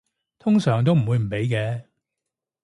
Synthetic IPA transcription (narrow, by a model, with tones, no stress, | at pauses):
t̪ʰʊ˥ŋsœː˨˩ŋt̪̬o˥wm̩˨˩wu˨˧jm̩˨˩pe˨˥jkɛː˨˧